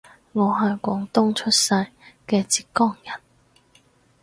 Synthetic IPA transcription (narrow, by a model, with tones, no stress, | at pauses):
ŋɔː˨˧ɦɐ˨jkʷɔː˨˥ŋt̪ʊ˥ŋt͡ʃʰɵ˥t̚sɐ˧jkɛː˧t͡siː˧tkɔː˥ŋjɐ˨˩n